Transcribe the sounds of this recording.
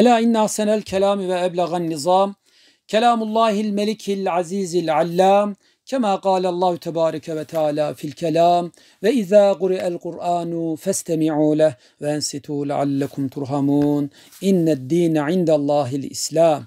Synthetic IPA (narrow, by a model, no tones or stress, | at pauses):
ʔalaːʔɪnːaʔasanalkalaːmwaʔablaɣanːɨzˤɑːm | kalaːmʊlˤːɑːhɪlmalɪkʰalʕaziːzalʕalːaːm | kamaːqɑːlalˤːɑːhʊt̪ʰabɑːɾˤɑkawat̪aʕaːlaːfilkalaːm | waʔɪðaːɣʊɾɪʔalqʊɾʔaːnʊfast̪amɪʕuːlah | waʔansɪt̪uːla̰ʕa̰lːakʊmt̪ʊɾˤɦamuːn | ʔɪnːad̪ːiːnʕɪnd̪alˤːɑːɦɪlʔɪ̰slaːm